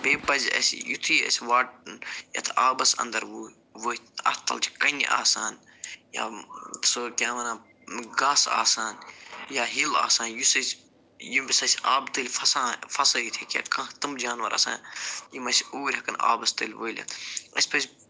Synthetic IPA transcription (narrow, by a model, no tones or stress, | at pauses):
beːbɐzʲɐ̰sʲjut̪ʰiːɐ̰sʲʋaːʈjɐ̰t̪ʰaːbɐsɐ̰nd̪ɐɾʋuː | ʋoːɐ̰t̪t̪ɐ̰lt͡ʃi̥kɐnʲʔa̰ːsaːn | ja̰ːsokʲãːʋɐnaː | ɡaːsa̰ːsaːnjaːɦila̰ːsaːnjusɐsʲ | jibʲisɐsʲaːbt̪ɨlʲfɐsãːfɐsɐit̪ʰeːkʲɐ̰t̪kãt̪ɨmd͡ʒaːnʋɐɾɐ̰sa̰ːnjimɐsʲuːɾʲɦɐkɐna̰ːbɐst̪ɐlʲʋoːlʲɐ̰t̪ʰɐsʲpɐsʲ